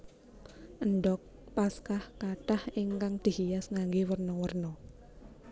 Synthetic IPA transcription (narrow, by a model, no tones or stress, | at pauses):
ʔənɖɔk̚paskahkaʈahiŋkaŋd̪̥i̤hijasŋaŋɡewərnɔwərnɔ